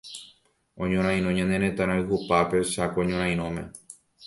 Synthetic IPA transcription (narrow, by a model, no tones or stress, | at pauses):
õ̞ɲõɾ̃ãj̃ɾ̃õɲãnẽɾẽt̪ãɾ̃ãɨɦupape̞ʃakõɲõɾ̃ãj̃ɾ̃õmẽ̞̰